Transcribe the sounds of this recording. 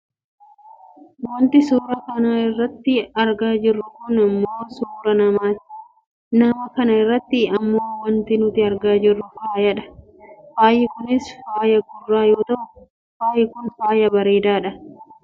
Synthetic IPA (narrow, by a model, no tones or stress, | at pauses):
wɔnt̪ɪsuːɾɐkɐnaːɪrːɐt̪ːɪɐɾɡaːd͡ʒɪrːʊkʊnɐmːo̞ːsuːɾɐnɐmaː | nɐmɐkɐnɐɪrːɐt̪ːɪɐmːo̞ːwɐnt̪ɪnʊt̪ɪɐɾɡaːd͡ʒɪrːʊfaːjɐᶑɐ̥ | faːjːɪkʊnɪsfaːjɐɡʊrːaːjoːt̪ɐʔʊ | faːjɪkʊnfaːjɐbɐɾeːd̪aːᶑɐ